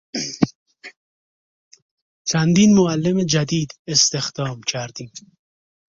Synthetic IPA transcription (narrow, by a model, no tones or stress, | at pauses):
t͡ʃʰænd̪iːnmoælːemed͡ʒæd̪iːd̪est̪exd̪ɒːmcʰæɾd̪iːm